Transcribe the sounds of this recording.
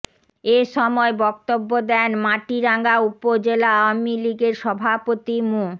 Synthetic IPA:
eʃɔmɔebɔkt̪obːod̪ɛnmaʈiɾaŋɡaupod͡ʑelaawamiliɡeɾʃɔbʱapot̪imu

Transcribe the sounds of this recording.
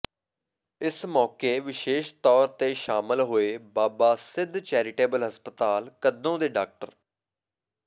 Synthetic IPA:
ɪsmɔːkeːʋɪʃeːʃt̪ɔːɾt̪eːʃaːmɪlɦoːeːbaːbaːsɪd̪t͡ʃɛːɾɪʈeːbəlɦəspət̪aːlkəd̪õːd̪eːɖaːk̚ʈəɾ

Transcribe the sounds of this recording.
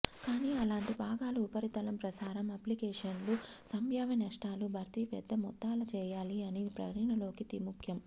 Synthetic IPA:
kaːniːɐlaːɳʈibʱaːɡaːluupɐɾit̪ɐlɐmpɾɐsaːɾɐmɐplikɛːʂɐnlu | sɐmbʱjaːʋɐnɐʂʈaːlubʱɐɾt̪ipɛd̪ːɐmɔt̪ːaːlɐt͡ʃɛːjaːliɐniːpɾɐ̰kɾɐnɐlo̞ːkit̪imukʰjɐm

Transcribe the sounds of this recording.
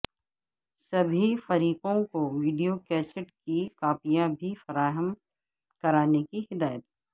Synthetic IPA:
sɐbʱifɐɾiːqõkoʋiːɖijokɛːsɪʈkikaːpijãbʱifɐɾaːɦəm | kɐɾaːnekihɪd̪aːjət̪ɦɛ

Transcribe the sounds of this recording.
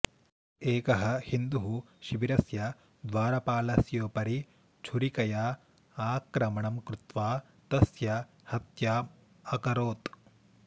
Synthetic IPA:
eːkɐɦɐhind̪uɦu | ʃiʋiɾɐsjɐ | d̪ʋaːɾɐpaːlɐsjoːpɐɾi | t͡ʃʰuɾikɐjaː | aːkɾɐmɐɳɐmkɾut̪ʋaː | t̪ɐsjɐ | hɐt̪jaː | ɐkɐɾoːt̪

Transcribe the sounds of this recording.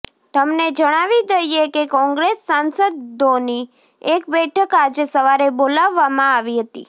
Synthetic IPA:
t̪əmned͡ʒəɽ̃aʋid̪əjekekɔ̃ŋɡɾesːansəd̪ːoni | ekbɛʈʰəkad͡ʒesəʋaɾebolaʋːamãaʋiɦət̪ḭ

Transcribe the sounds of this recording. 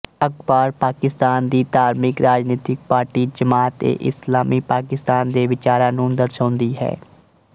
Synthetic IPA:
əkbaːɾpaːkɪst̪aːnd̪iːt̪aːɾmɪkɾaːd͡ʒniːt̪ɪk̚paːɾʈiːd͡ʒəmaːt̪ḛːʔɪslaːmiːpaːkɪst̪aːnd̪eːʋɪt͡ʃaːɾãːnũːd̪əɾʃãːnd̪iːɦɛ̰ː

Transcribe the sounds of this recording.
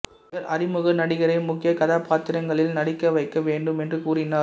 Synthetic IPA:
ɐɾʔɐɾɪmɯɣɐnɐɽɪɣɐɾɐɪmʊkːɪjɐkɐðaːpaːt̪ɪɾɐŋɡɐɭɪlnɐɽɪkːɐʋɐɪkːɐʋeːɳɖɯmɛndrɯkuːɾɪnaː

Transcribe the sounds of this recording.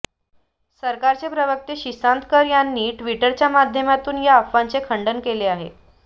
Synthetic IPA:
səɾkaɾt͡sepɾəʋək̚t̪eɕisant̪kəɾjanːiːʈʋiʈəɾt͡ɕjamad̪ʱjəmat̪uːnjaəfʋant͡sekʰəɳɖənkeleaɦe

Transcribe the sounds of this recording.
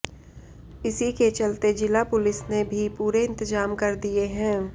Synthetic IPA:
ɪsiket͡ʃɐlt̪ed͡ʒɪlapʊlɪsnebʱipuːɾeɪ̃nt̪ɪzaːmkɐɾd̪ieɦɛ̃ː

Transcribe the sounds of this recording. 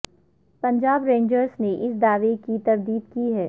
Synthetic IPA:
pɐ̃ɲd͡ʒaːbɾẽːnd͡ʒəɾzneʔɪsd̪aːʋekit̪ɐɾd̪iːd̪kiɦɛː

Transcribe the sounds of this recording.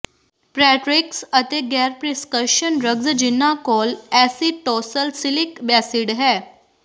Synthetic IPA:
pɾæʈɾiksət̪eɡɛɾpɾiskəɕənɾəɡd͡zəd͡ʑinːakɔlæsiʈɔsəlsilikbasiɽɦɛ

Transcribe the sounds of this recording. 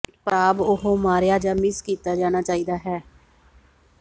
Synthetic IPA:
paːbʊɦoːmaːɾjaːd͡ʒaːmɪskiːt̪aːd͡ʒaːñaːt͡ʃaːiːd̪aːɦɛː

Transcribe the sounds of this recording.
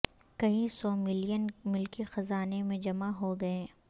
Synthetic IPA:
kɐĩsɔːmɪlijənmʊlkixɐzaːnemẽd͡ʒɐmaɦoɡɐẽː

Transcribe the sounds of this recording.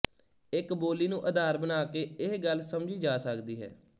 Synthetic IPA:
ɪkboːliːnũːʔəd̪aːɾbənaːkeːɪɦɡəlsəmd͡ʒiːd͡ʒaːsəkd̪iːɦɛ̰ː

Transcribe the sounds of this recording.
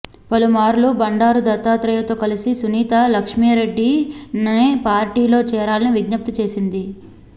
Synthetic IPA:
pɐlumaːɾlubɐɳɖaːɾud̪ɐt̪aːt̪ɾɐjɐt̪o̞ːkɐlisisuniːt̪alɐkʂmiɾe̞ɖːinɐpaːɾʈiːlo̞ːt͡ʃɛːɾaːlɐniʋiɡnɐp̚t̪ut͡ʃe̞ːsind̪i

